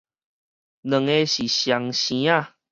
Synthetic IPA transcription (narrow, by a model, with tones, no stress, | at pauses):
nə̃˨ŋe˧ɕi˨ɕja˨ŋɕĩ˨˦a˦˨